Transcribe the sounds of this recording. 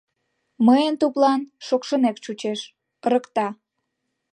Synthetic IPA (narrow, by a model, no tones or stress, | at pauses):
məjənt̪uplɑnʃokʃənekt͡ɕut͡ɕeʃ | əɾəkt̪ɑ